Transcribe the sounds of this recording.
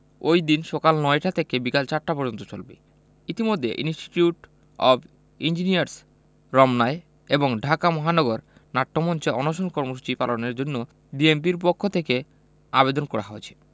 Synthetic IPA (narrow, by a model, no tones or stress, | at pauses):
ojd̪inʃɔkalnɔeʈat̪ʰekebikalt͡ɕaʈːapɔɾd͡ʑont̪ot͡ɕolbḛ | it̪imod̪ʱːeʔinsʈi̥ʈjuʈ | ɔb | ind͡ʑiniaɾs | ɾɔmnae | eboŋɖʱakamɔɦanɔɡoɾ | naʈːomɔnt͡ɕeɔnoʃonkɔɾmoʃ̬u̥t͡ɕipaloneɾd͡ʑonːo | ɖiemp̬iɾpokʰːot̪ʰeke | a̰bed̪onkɔɽa̰ɦoet͡ɕʰe̥